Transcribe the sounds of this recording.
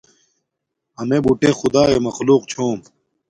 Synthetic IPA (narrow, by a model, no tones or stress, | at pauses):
ɐmebuʈexud̪aːemɐxluːqt͡ɕʰoːm